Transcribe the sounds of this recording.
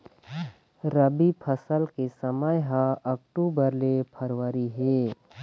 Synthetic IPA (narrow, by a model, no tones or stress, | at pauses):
ɾəbipʰəsəlkesəməjɦãɐkʈuːbəɾlepʰəɾwəɾiɦeː